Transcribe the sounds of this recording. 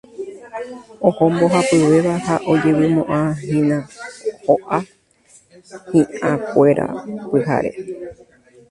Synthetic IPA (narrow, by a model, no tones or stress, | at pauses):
õhõmbo̞ɦapɨweʋahaʔo̞d͡ʒe̞wɨmõʔãɦĩnãhoʔa | hĩʔãkʷe̞ɾa̰pɨɦa̰ɾe̞̰